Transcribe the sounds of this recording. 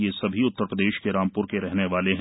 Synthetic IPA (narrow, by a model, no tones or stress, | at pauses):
jesɐbʱiʊt̪ːəɾpɾəd̪eːʃkeɾaːmpʊɾkeɾɛɦneʋaːleɦ